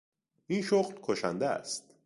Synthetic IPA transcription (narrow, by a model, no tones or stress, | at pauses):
ʔinʃoɣlkʰoʃæ̰nd̪eæ̰st̪̚